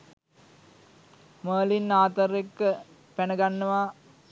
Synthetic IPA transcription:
məːlinːaːt̪əɾekːə | pænəɡanːəʋa

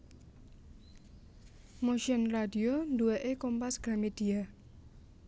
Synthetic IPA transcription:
moʃənradiondueʔekompasɡ̥a̤mid̪̥ia

